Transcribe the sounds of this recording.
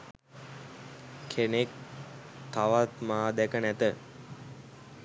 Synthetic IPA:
kʰenek̚ | t̪aʋat̪maːd̪ækənæt̪ə

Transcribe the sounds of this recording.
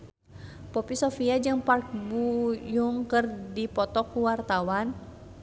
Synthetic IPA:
pɔpisofiad͡ʒɨŋpark̚bujuŋkɨrdipɔt̪ɔkuwart̪awan

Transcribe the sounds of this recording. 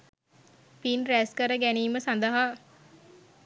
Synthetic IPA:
pinɾæːskəɾəɡæniːməsand̪əɦa

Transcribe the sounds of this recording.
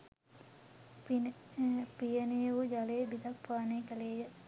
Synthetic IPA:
pijənejəʋud͡ʒalebid̪ɐk̚paːneːkəleːjə

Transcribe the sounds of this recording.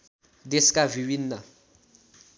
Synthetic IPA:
d̪eskʼaviwinːa

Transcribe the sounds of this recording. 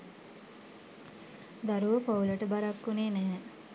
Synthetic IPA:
d̪aɾuʋəpauləʈəbaɾakːuneːnɛɦ

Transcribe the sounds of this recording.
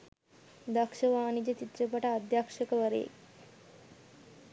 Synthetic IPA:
d̪ɐkʂəʋaːnid͡ʑet͡ʃit̪ːt͡ɕepɐʈaːd̪jakʂɐkɐʋɐɾḛːk

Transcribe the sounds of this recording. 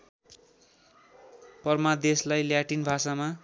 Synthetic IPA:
pʌrmad̪eslajljaʈinbʱasama

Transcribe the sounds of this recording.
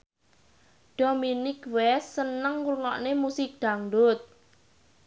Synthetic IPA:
ɖ̥ominikwɛsːənəŋurŋɔʔnemusik̚d̪̥aŋɖʊt̪̚

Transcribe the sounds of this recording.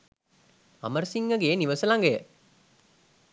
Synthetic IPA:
ɐ̰məɾsiŋːɐɡeːniʋəsəlaŋɡejə

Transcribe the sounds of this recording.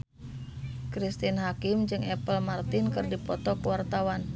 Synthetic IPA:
kɾist̪inɦakɪmd͡ʒɨŋɛpəlmart̪ɪnkɨrdipɔt̪ɔkəwart̪awan

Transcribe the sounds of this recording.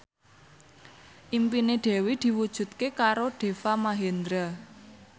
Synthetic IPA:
ʔimpineɖ̪̥ɛ̤wid̪̥i̤wud̥ʒ̥ṳt̪̚kekaɾoɖ̥e̤famaɦend̪ɾa

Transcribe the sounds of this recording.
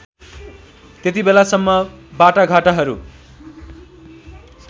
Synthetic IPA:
t̪jet̪ibelasʌmːʌbaʈaɡʱaʈaɦʌɾṵ

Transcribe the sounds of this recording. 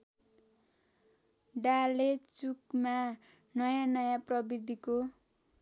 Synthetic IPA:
ɖalet͡sukma | nʌjanʌjaprʌbid̪ʱiko

